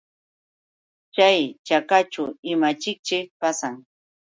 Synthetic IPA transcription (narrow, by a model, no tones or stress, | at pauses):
t͡ʃajt͡ʃakat͡ʃʊɪmat͡ʃɪk̚t͡ʃɪpasaŋ